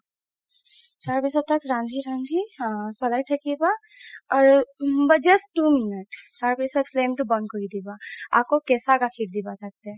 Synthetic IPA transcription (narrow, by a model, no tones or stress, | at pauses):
t͡ʃaːɾbɛsət̪ɐkɾãːnd̪ʱiɾãːnd̪ʱisɔlaːiʈʰɐkiba | ɔːɾbɐd͡ʒesʈuminəʈt͡ʃaːɾbesəd̪fleːmʈubə̃nkoid̪ibaa̰ːp̚kokɛːsakakʰiːʈd̪ibasɐk̚t̪ẽ